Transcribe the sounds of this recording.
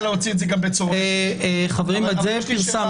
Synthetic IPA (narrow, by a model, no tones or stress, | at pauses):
leot͡sidzɛɡambet͡soʁeχaveʁimbazefiʁsam